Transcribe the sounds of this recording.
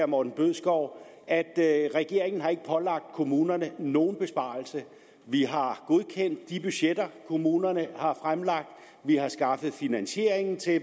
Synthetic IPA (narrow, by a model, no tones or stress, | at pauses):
ɐmɒːd̥n̩b̥øð̰ˠsɡ̥ɒʊ̰ | æd̥ʁɛɡ̥e̝ɐe̝ŋn̩hɑ̈e̝ɡ̥ə̥pʰɒ̽lɑ̈ɡ̥̚d̥kʰo̝muːnɐnəno̝ːn̩b̥e̝sb̥ɑ̰̈ːl̩sə | ʋiɦɑ̈ɡ̥o̝ð̞ˠkʰen̰d̥̚ːib̥yɕjed̥ɐkʰo̝muːnɐnəhɑ̈fʁamlɑ̈ɡ̥̚d̥ | ʋihɑ̈sɡ̥ɑ̈fð̩ˠfinænɕe̝ɐe̝ŋn̩t͡sʰe̝